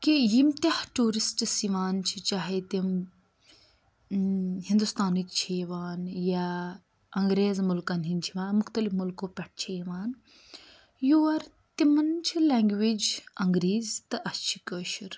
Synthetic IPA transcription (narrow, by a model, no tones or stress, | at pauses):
kijimt̪ahʈuːɾisʈsiʋaːnt͡ʃʰit͡ʃaːɦet̪im | hind̪ust̪aːnikt͡ʃʰeʋaːnja | ɐŋɡɾeːzmulkɐnɦint͡ʃʰiʋaːnmʊxt̪ɐlifmulkoːpʲɛʈ̚ʰt͡ʃʰeʋaːn | juʋɐɾ | t̪imɐnt͡ʃʰileːŋɡʋid͡ʒɐŋɡɾiːzt̪ɐʔɐst͡ʃʰi̥kəːʃiɾ